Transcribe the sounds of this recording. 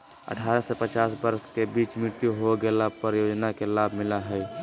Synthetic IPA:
ə̰ʈʰaːɾasepət͡ʃaːsbəɾskebiːt͡ʃmɪɾt̪juɦoɡelapəɾjoːd͡ʒnakelaːbʱmɪlaɦɛː

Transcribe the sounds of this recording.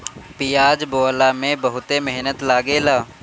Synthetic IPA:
pijaːd͡ʒboːlamẽbəɦʊt̪emeɦnət̪laːɡeːlaː

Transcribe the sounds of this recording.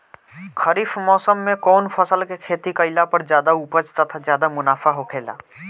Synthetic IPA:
kʰəɾiːfmɔːsəmːẽkɔːnfʰəsəlkekʰeːt̪ikəɪlapɐɾzjaːd̪auːpət͡ʃt̪ɐt̪ʰazjaːd̪amʊnaːfaɦokʰeːla̰ː

